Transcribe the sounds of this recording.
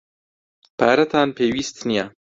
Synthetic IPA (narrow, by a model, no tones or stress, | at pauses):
paːɾɐt̪ʰaːnpʰeːwiːst̪nijaː